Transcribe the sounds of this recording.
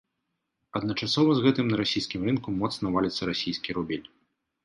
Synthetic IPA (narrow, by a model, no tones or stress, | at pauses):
ɐd̪nɐt͡ʂasɔvɐzɣɛt̪ɨmnɐɾasʲijskʲimɾɨnkumɔt̪snɐvalʲit̪sːɐɾasʲijskʲiɾubʲilʲ